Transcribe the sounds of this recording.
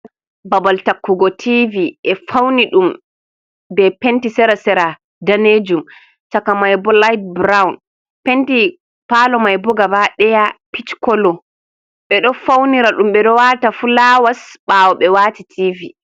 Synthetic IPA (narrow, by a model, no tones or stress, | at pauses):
babaltakːuɡɔtʰiviʔɛfawniɗum | bɛpentisɛɾasɛɾa | daned͡ʒum | t͡ʃakamajbɔlajt̚bɾawn | penti | palɔmajbɔɡabaɗɛjapit͡ʃkɔlɔ | ɓɛɗɔfawniɾaɗumɓɛɗɔwatafulaːwasɓawɔɓɛwaːtitʰivi